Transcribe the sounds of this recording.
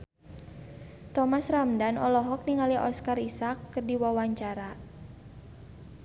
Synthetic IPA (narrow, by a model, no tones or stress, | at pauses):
t̪ɔmasramdanɔlɔɦɔk̚niŋaliʔɔskarisakːərdiwawaɲt͡ʃaɾa